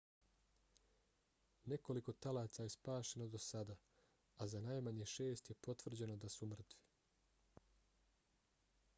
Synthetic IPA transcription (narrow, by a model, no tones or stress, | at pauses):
ne̞ko̞liko̞t̪alaːt̪sajespaːʃe̞nod̪osad̪a | azanaːjmaɲe̞ʃe̞ːst̪jepo̞t̪ʋr̩d͡ʑe̞nod̪asumr̩t̪ʋi̥